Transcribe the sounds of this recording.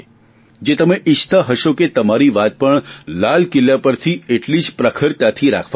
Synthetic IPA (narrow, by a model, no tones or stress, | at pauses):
d͡ʒet̪əmeʔɪʃt̪ʰəɦəʃoket̪əmaɾiʋat̪̚pəɳlalkɪljapəɾt̪ʰieʈlid͡ʒpɾəkʰəɾt̪at̪ʰiɾa̰kʰa